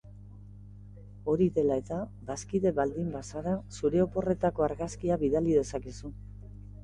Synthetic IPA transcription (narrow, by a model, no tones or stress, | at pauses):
o̞ɾiðe̞lae̞t̪abaskiðe̞βald̪imbasaɾasuɾe̞o̞po̞re̞t̪ako̞aɾɣaskiaβiðaliðe̞sakisu